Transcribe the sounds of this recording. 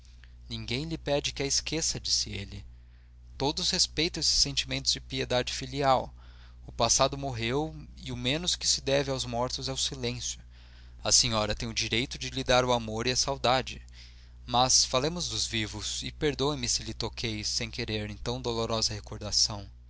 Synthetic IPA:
nĩŋɡẽj̃lɪpɛd͡ʒɪkɪɐɪskesɐd͡ʒisɪelɪ | t̪od̪ʊshespejt̪ɐ̃w̃esɪ̥sːẽnt͡ʃimẽnt̪ʊzd͡ʒɪpied̪ad͡ʒɪfiliaw | ʊpasad̪ʊmoɦewɪʊmẽnʊskɪ̥sɪd̪ɛvɪawzmɔɾt̪ʊzɛʊsilẽsjʊ | ɐsẽɲɔɾɐt̪ẽj̃ʊd͡ʒiɾejt̪ʊd͡ʒɪlɪd̪aɾʊamoɾɪɐsawd̪ad͡ʒɪ | mɐsfalẽmʊzd̪ʊzvivʊsɪpeɾd̪õẽmɪsɪlɪt̪okʰejsẽj̃keɾeɾẽt̪ɐ̃w̃d̪oloɾɔzɐhekoɾd̪asɐ̃w̃

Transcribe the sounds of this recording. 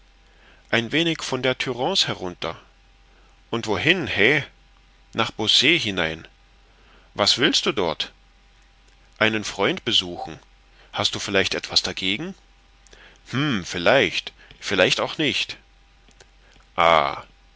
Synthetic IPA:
ʔaɪnveːnɪçfɔndeːɐtʰyʁɑ̃ːshɛʁʊntɐ | ʔʊntv̥ohɪnhɛ | naːχb̥oseːɦɪnaɪn | vasv̥ɪlst̚d̥uːdɔɐt | ʔaɪnənfʁ̥ɔʏntb̥əzuːxn̩ | hastd̥uːfɪlaɪçtʔɛtv̥asd̥aɡeːɡŋ̩ | mm̩fɪlaɪçt | fɪlaɪçtaʊxnɪçt | ʔa̰ː

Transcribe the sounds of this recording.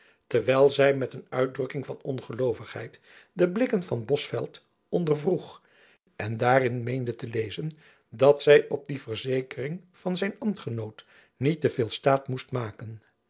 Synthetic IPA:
təɹʋɛjlˠzɛjmɛtənœɥ̚drɵkɪŋvɑnɔnχəlowvəχhɦɛ̰jt | dəblɪkənvɑnbɔsfɛ̰lˠt | ɔndəɹvruχ | ʔɛndaːrɪnmejndətəlejzən | dɑtsɛjʔɔb̚divəɹzejkərɪŋ | v̥ɑnzɛjnɑmtχənowt | nitəv̥ɪːlˠstaːtmustmaːkən

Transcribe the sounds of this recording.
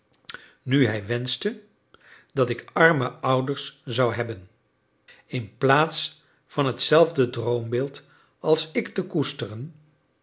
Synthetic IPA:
nyɦɛjʋɛnstə | d̥ɑtɪkɑɹməʌwdəɹszɑwɦɛbən | ɪnplaːts | fɑnɦətsɛlˠvdədrowmbɪːlˠt | ɑlˠsɪktəkustərən

